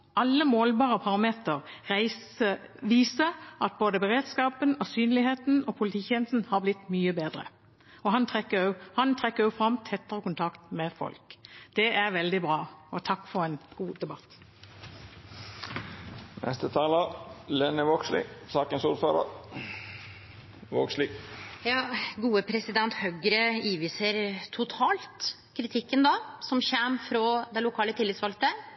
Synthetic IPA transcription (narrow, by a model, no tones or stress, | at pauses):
ʔɑlːəmoːlbɑːʁəpʰɑʁɑmeːt̪əʁæɪ | ʋiːsəɑt̪̚boːd̪əbəʁeːd̪skɑːpənɔsyːnlɪheːt̪n̩oːpʰʊlɪt̪ʰiːçɛnsn̩hɑːʁblɪt̪ːmyːəbeːd̪ʁə̰ | ɔɦɑnt̪ʰʁɛkːəʊhɑnt̪ʰʁɛkːəjʊfʁɑmt̪ʰɛt̪ːəʁəkʊnt̪ʰɑkt̪mɛfɔ̰lkd̪̥ɛʔæʁʋɛld̪ɪbʁɑːɔt̪ʰɑkːfɔʁɛnɡ̥uːd̪ɛbɑt̪ː | nɛ̰st̪ət̪ʰɑːləlɛnːəʋokslɪ̰sɑːkənsuːɾføːɾə̰ | ʋokslɪjɑːɡuːəpʰɾɛsɪd̪ɛnt̪hœɡɾəiːʋiːsəɾt̪ʰʊt̪ʰɑːlt̪ | kʰɾɪt̪ʰɪkːənd̪ɑsɔmçæmfɾɔd̪ɛlʊkʰɑːlət̪ʰɪlːɪt̪sʋɑlt̪ə